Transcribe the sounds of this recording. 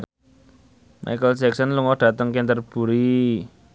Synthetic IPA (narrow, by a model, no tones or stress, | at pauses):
mʔa̰jkəlsɛksənluŋɔd̥ä̤t̪əŋkent̪ərb̥ṳɾi